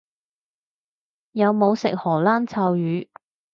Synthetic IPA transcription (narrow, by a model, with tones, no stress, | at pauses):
jɐ˨˧wmo˨˧wsɪ̰˨k̚hɔː˨˩laː˥nt͡sʰaː˧wjyː˨˧